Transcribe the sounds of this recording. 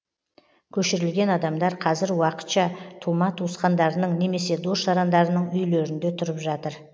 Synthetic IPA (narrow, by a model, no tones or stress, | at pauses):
kʲʰɵʃɪɾɪlɡʲe̞nɑd̪ɑmd̪ɑɾqʰɑzɪɾwɑqə̥t̪ʃɑt̪ʰumɑt̪ʰusqɑnd̪ɑɾənəɴne̞me̞se̞d̪o̞sʒɑɾɑnd̪ɑɾənəɴʏjleɾɪnd̪e̞t̪ʰʊɾəpʒɑt̪əɾ